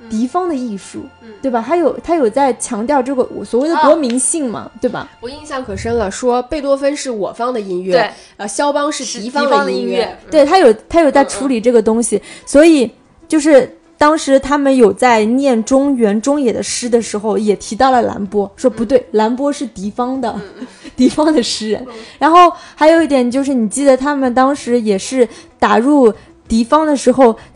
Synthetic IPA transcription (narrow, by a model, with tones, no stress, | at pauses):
t̪i˧˥fɑ˥ŋd̪ə˨i˥˧ʂṵ˥˨˩t̪we˥˩ɪbɐ˩t̪ʰa˥ɪjo˨˩ʊt̪ʰa˥jo˨˩ʊt͡sa˥˩ɪt͡ɕʰjɑ˧˥ŋt̪jɑ˥˧ʊʈ͡ʂɤ˥˩ɡə˩˨˩swɔ˨˩we˥˩ɪd̪ə˧t̪wɔ˧˥mi˧˥ŋɕi˥˩ŋmɐ̰˩t̪we˥˩ɪbɐ̰˩wɔ˨˩i˥˧nɕjɑ˥˩ŋkʰɤ˨˩ʂə˥ŋlə˨ʂwɔ˥pe˥˩ɪt̪̬wɔ˥fə˥nʂɻ̩˥˩wɔ˨˩fɑ˥ŋd̪ə˨i˥nɥɛ˥˩ | ə˧ɕjɑ˥ʊpɑ˥ŋʂɻ̩˥˩t̪i˧˥fɑ˥˧˥ŋdə˨˥i˥nɥɛ˥˧˩t̪we˥˩ɪt̪ʰa˥jo˨˩ʊt̪ʰa˥jo˨˩ʊt͡sa˥˩ɪʈ͡ʂʰu˧˥li˨˩ʈ͡ʂɤ˥˩ɡə˩t̪ʊ˥ŋɕi˨swɔ˧˥i˨˩˦ | t͡ɕjo˥˧ʊʂɻ̩˥˩ | t̪ɑ˥ŋʂɻ̩˧˥t̪ʰa˥mə˨njo˨˩ʊt͡sa˥˧ɪnjɛ˥˩nʈ͡ʂʊ˥ŋɥɛ˧˥nʈ͡ʂʊ˥ŋjɛ˨˩d̪ə˦ʂɻ̩˥d̪ə˨ʂɻ̩˧˥xo˥˧ʊjɛ˨˩t̪ʰi˧˥t̪ɑ˥˩ʊlə˩la̰˧˥npwɔ˥ʂwɔ˥pu˧˥t̪we˥˩ɪla˧˥npwɔ˥ʂɻ̩˥˩t̪i˧˥fɑ˥ŋd̪ə˨ | t̪i˧˥fɑ˥ŋd̪ə˨ʂɻ̩˥ɻə̰˧˥nɻa˧˥nxo˥˩ʊxa˧˥ɪjo˨˩ʊi˥˩t̪jɛ˨˩nt͡ɕjo˥˧ʊʂɻ̩˥˩ni˨˩t͡ɕi˥˩d̪ə˩t̪ʰa˥mə˨nt̪ɑ˥ŋʂɻ̩˧˥jɛ˨˩ʂɻ̩˥˩t̪a˨˩ɻu˥˩ | t̪i˧˥fɑ˥ŋd̪ə˨ʂɻ̩˧˥xo˥˧ʊ